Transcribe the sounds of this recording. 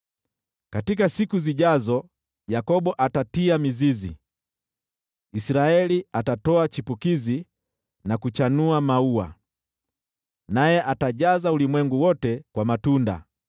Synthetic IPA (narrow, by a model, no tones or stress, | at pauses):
katikasikuziʄazɔ | jakɔɓɔʔatatiamizizi | isɾaɛliatatɔat͡ʃipukizi | nakut͡ʃanuamaua̰ | najɛʔataʄazaulimwɛŋɡuwɔtɛkwamatunda̰